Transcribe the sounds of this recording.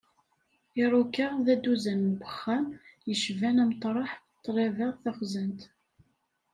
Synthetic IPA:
ɪɾˤukəʁðæd̪uzænmbəχːæmjəʃvænæmt̪ˤːɾˤɑħ | t̪ˤːɾɑvəʁθæχzənt̪

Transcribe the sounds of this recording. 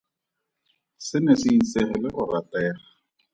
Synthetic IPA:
sɪnɛsɪn̩sɛχɛlɪχʊratɛːra

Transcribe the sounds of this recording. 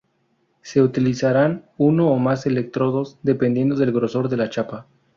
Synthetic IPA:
se̞ut̪ilisaɾanuno̞ːmase̞le̞k̚t̪ɾo̞ðo̞zðe̞pe̞nd̪jend̪o̞ðe̞lɣɾo̞so̞ɾðe̞lat͡ʃapa

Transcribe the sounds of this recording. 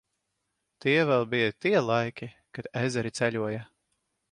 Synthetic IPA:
t̪iɛvɛlˠbijat̪iɛlˠajkʲi | kad̪ɛzʲɛɾit̪sɛʎʲuɔja

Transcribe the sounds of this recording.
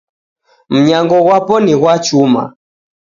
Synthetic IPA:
m̩ɲaŋɡɔɣwapɔniɣwat͡ʃuma̰

